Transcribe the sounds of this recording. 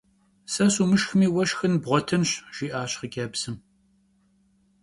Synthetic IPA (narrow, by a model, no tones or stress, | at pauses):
sɐsuːmɨʃxmiːwɐʃxɨnbʁʷɔtʰɨnɕʒ̥iːʔaːɕχəɡʲaːbsɨm